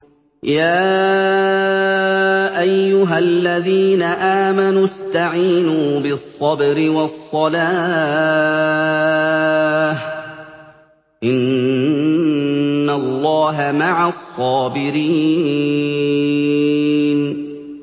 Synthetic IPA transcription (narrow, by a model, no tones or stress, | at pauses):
jaː | ʔajːʊɦalːaðiːnaʔaːmanust̪aʕiːnuːbɪsˤːɑbɾɪwɑsˤːɑlaː | h | ʔɪn | alːɑːɦamaʕasˤːɑːbɪɾiː | n